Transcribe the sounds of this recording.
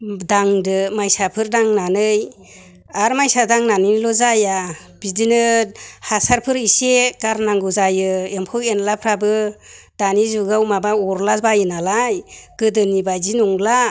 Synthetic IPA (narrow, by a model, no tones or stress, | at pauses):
daŋdɯmajsapʰɯɾdaŋnanɯj | aɾmajsadaŋnanɯnilɔzaja | bidinɯhasaɾpʰɯɾisekaɾnaŋɡɯzajɯempʰɯwenlapʰɾabɯ | d̥anizuɡawmabaɔɾlasbajɯnalajɡ̥ɯdɯnibajzinuŋla